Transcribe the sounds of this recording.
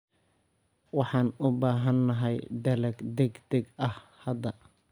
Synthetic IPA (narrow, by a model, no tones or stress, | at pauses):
wɑħɑːnʊbaːɦɐnːɐɦɛjd̪ɐlɐɡd̪ɛɡd̪ɛɡɐhhɐd̪ɐ